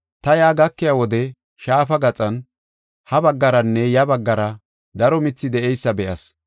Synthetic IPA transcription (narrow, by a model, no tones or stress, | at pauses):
t̪ɐjaːɡɐkːɪjawɔd̪ɛ | ʃaːfɐɡɐt͡sʼɐn | hɐbɐɡːɐɾɐnːɛjɐbɐɡːɐɾɐ | d̪ɐɾɔmɪt͡sːɪd̪ɛʔɛjsːɐbɛʔɐs